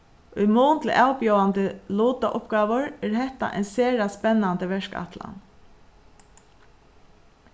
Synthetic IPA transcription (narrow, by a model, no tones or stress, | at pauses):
ʊjmuːnt̪ʰlɪʔawpjɔwant̪əluːt̪aʔʊpɡaːʋʊɹɛɾhɛht̪a̰ʔɛ̰jnseːɾaspɛnːant̪əʋɛʂka̰t̪la̰n